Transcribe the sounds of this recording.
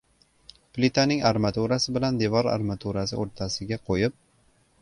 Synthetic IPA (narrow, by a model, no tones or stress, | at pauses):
plɪt̪ʰanɪŋaɾmat̪ʰuɾasɪbɪland̪e̞vɒɾa̰ɾmat̪ʰuɾasɪ̰oɾt̪ʰasɪɡʲaqʰojɪp̚